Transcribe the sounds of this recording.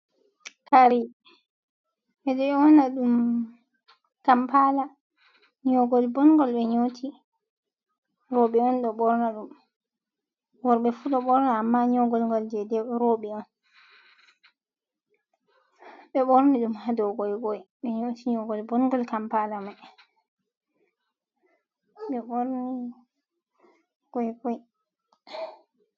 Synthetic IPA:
kaɾi | ʔɛɗɔɛwɔnaɗum | kampala | ɲɔɡɔlbɔnɡɔlɓɛɲotʰi | ɾɔɓɛɔnɗɔɓɔɾnaɗum | wɔɾɓɛfuɗɔɓɔɾnaːmːaɲɔɡɔlŋɡɔld͡ʒɛdɛɾɔɓɛɔn | ɓɛɓɔɾniɗumhadɔwɡɔjkɔjɓɛɲotiɲɔɡɔlbɔnɡɔlkampalama | ɓɛɓɔɾni | ɡ̥ɔjɡɔj

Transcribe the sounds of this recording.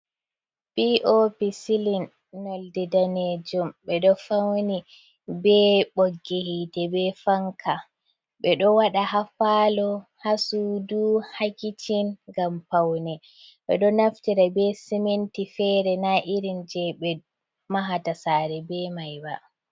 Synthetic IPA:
biʔopisilinː | ɔldɛdaned͡ʒumɓɛɗɔfawni | bɛɓoɡːehitɛbɛfaŋka | ɓɛɗɔwaɗahafalɔhasuduhakit͡ʃʰinɡampawnɛ | ɓɛ̰ɗɔnaftiɾabɛsɛmentifɛɾɛnaʔiɾind͡ʒɛɓɛ | maɦatasaːɾɛbɛmajba

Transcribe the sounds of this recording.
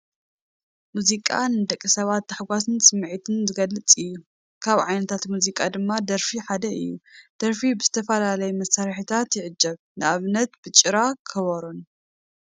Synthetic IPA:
muzikʼa̰nɨd̪ɐkʼːisɐβat̪ːaħɡʷasɨnsʼɨmːʕit̪ʰɨnzɨɡɐlːɨt͡sʼɨjːu | kʰaβʕajnɐt̪ʰat̪muzikʼad̪ɨmːad̪ɐɾfiħad̪ɐʔɨ̰jːṵd̪̥ɐɾfibɨzɨt̪ʰɐfɐlalɐjumɐsaɾħit̪ʰat̪jɪʕɨd͡ʒːɐβ | nɨʔaβnɐt̪b̥ɨt͡ʃʼɨɾakʰɐβɐɾun

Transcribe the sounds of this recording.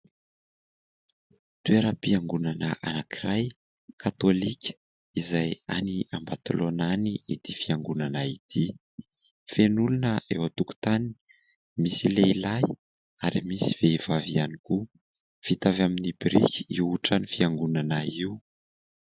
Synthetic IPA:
t̪ueɾəpiaŋɡunanəʔa̰nakiraj | kʰat̪olikʲə̥ | izaja̰niambat̪ulonaniit̪ifiaŋɡunanait̪ʰi | fenulunəḛwat̪uku̥t̪anini̥ | misileilaj | aɾimisi̥v̥ev̥avianiku | fit̪avaminibɾikʲi̥iwuʈ͡ʂanifiaŋɡunanaiu

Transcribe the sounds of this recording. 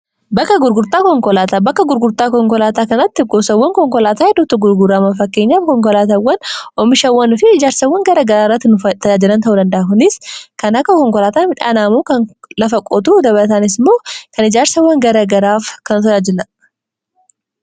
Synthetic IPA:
bɐkːɐɡʊɾɡʊɾt̪aːkɔŋkɔlaːt̪abɐkːɐɡʊɾɡʊɾt̪aːkɔŋkɔlaːt̪aːkɐnɐt̪ːɪɡɔːsɐwːɐŋkɔŋkɔlaːt̪aːhɛd̪ːuːt̪ːʊɡʊɾɡʊɾaːmɐfɐkːe̞ːɲːaːfkɔŋkɔlaːt̪ɐwːɐnʔɔmɪʃɐwːɐnfɪɪd͡ʒaːɾsɐwːɐŋɡɐɾɐɡɐɾaːrːɐt̪ːɪnʊt̪ːɐd͡ʒaːd͡ʒɪlɐnt̪ɐʔuːd̪ɐnd̪ɐhːkʊnɪskɐnɐkːɐkɔŋkɔlaːt̪aːmɪᶑa̰ːnaːmuːkɐnlɐfɐkʼɔt̪uːd̪ɐβɐlɐt̪̬aːnɪs̬moːkɐnɪd͡ʒaːɾsɐwːɐŋɡɐɾɐɡɐɾaːfkɐnʊt̪ɐaːd͡ʒɪlɐ

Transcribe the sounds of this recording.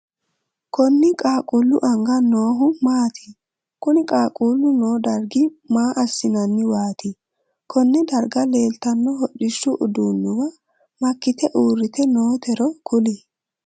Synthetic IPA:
kɔnːɪkʼaːkʼulːʊʔɐŋɡɐno̞ːɦʊmaːt̪ʰɪ̥ | kʊnɪkʼaːkʼuːlʊno̞ːd̪ɐɾɡɪmaːʔɐsːɪnɐnːɪwaːt̪ɪ | kʰɔnːɛd̪ɐɾɡɐle̞ːlt̪ɐnːɔɦɔɗɪʃːʊʔʊd̪uːnːʊwɐ | mɐkːɪt̪ɛʔuːɾːɪt̪ɛnoːt̪ɛɾɔkʰʊlɪ

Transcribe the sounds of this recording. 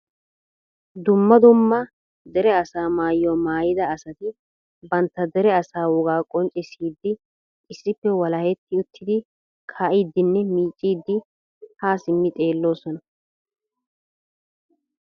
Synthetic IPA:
d̪ʊmːɐd̪ʊmːɐ | d̪ɛɾɛɐsaːmaːjːomaːjɪd̪ɐːsɐt̪ɪ | bɐnt̪ːɐd̪ɛɾɛɐsaːwɔɡaːkʼɔnt͡ʃʼɪsiːd̪ːɪ | ʔɪsːɪpːɛwɐlɐhɛt̪ːɪʊt̪ʰːɪd̪ɪ | kʰaːʔiːd̪ːɪnːɛmiːt͡ʃʼːiːd̪ːɪ | haːsɪmːɪt̪ʼe̞ːlːo̞ːsɔnɐ

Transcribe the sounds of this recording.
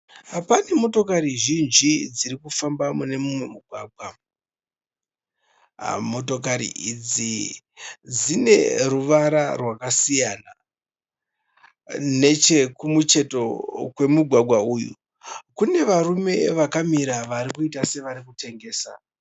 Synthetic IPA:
pane̞mo̞to̞kaɾiʒind͡ʒid͡ziɾikufambamune̞mumwemuɡʱwaːɡʱwa | mo̞to̞kaɾḭʔid͡zi | d͡zine̞̰ruʋaɾarwakasijana | ne̞t͡ʃe̞kumut͡ʃe̞to̞kwe̞muɡʱwaɡʱwauːjṵ | kune̞ʋarume̞ʋakamiɾaʋaɾikuitase̞ʋaɾikute̞ŋɡe̞ːsa̰

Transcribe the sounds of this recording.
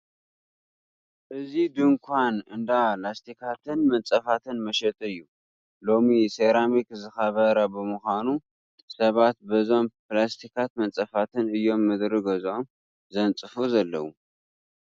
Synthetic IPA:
ʔɨzid̪ɨŋkʷʰanɨnd̪alast̪ʰikʰat̪ʰɨnmɐnt͡sʼɐfat̪ʰɨnmɐʃɛt̪ʰʼɨjːu | lo̞miseɾamikzɨxɐβɐɾɐbɨmuxʷanu | sɐβat̪̚bɐzo̞mplast̪ʰikʰat̪mɐnt͡sʼɐfat̪ʰɨnɨjːo̞mːɨd̪ɾɨɡɐzom | zɐnt͡sʼɨfuzɐlːɐ̰wu

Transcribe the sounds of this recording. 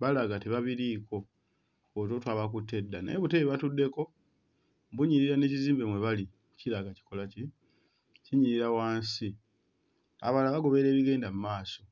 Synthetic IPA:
βalaɡateβaβiɾiːko̞ | ot̬o̞twaβakutːe̞dːanḛeβuteβeβatudːe̞ko̞ | buɲiɾiɾane̞ːciziːmbe̞mwe̞βali | cilaɡaci̥ko̞laci | ciɲiɾiɾawaːnsi | a̰βalaβaɡo̞βe̞ɾe̞ːβiɡe̞ːndamumaːso̞

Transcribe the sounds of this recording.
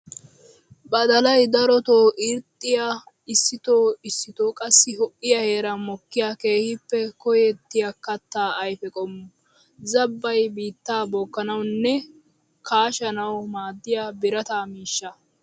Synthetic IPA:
bɐd̪ɐlɐjd̪ɐɾɔt̪oːʔɪɾt̪ʼːɪja | ɪsːɪt̪oːɪsːɪt̪oːkʼɐsːɪɦɔʔɪjɐhe̞ːɾɐmɔkːɪjaːke̞ːhɪpːɛkɔjɛt̪ːɪjakɐt̪ːaːɐjfɛkʼɔm | zɐbːɐjbiːt̪ːaːbɔkːɐnɐwnːɛ | kʰaːʃɐnɐwmaːd̪ːɪjaːbɪɾɐt̪aːmiːʃːɐ

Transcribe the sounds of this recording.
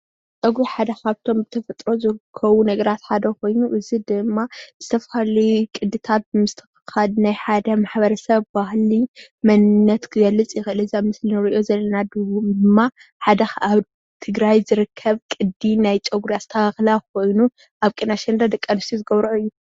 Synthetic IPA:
t͡ʃʼɐɡɾiħad̪ɐkʰaβt̪ʰo̞mbɨt̪ʰɐfɐt̪ʼɾo̞zɨɾɨkʰːɐβunɐɡɐɾat̪ħad̪ɐko̞jnuʔɨzid̪ɨmːaz̥ɨt̪ʰɐfhlikʼɨd̪ːɨt̪ʰat̪̚bɨmɨst̪ʰɨxɨxad̪najħad̪ɐmaħbɐɾɐsɐβbahlimɐnɨnːɐt̪kʰɨɡɐlːɨt͡sʼjɪxɨlɨzamɨsliɨɾɨʔozɐlːɐnad̪ɨwud̪ɨmːa | ħad̪ɐxaβ | t̪ʰɨɡɾajzɨɾɨkʰːɐβkʼɨd̪inajt͡ʃʼɐɡɾjazɨt̪ʰɐaxlako̞jnu | ʔaβkʼinaʃɛnd̪ad̪ɐkʼːɐnst̪ʰizɨɡɐβɾʕuɨjːu

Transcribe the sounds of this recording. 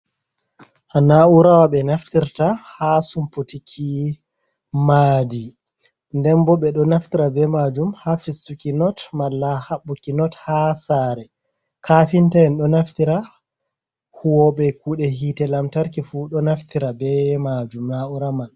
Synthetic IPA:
ʔanauɾawaɓɛnaftiɾtahasumpotikʰi | maːdi | ndɛmbɔɓɛɗɔnaftiɾabɛmad͡ʒumhafisukinɔtmalːahaɓːukinɔthasaɾɛ | kʰaːfintaɛnɗɔnaftiɾa | huwɔɓɛk̚uɗɛɦiːtɛlamtaɾkifuɗɔnaftiɾabɛmad͡ʒumnauɾaman

